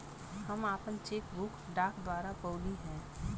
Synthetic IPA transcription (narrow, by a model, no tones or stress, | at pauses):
hɐmaːpənt͡ʃeːkbʊkɖaːkd̪waːɾapɔːliɦɛ̃ː